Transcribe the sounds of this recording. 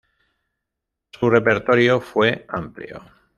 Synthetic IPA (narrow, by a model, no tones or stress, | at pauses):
sure̞pe̞ɾt̪o̞ɾjofwe̞ampljo̰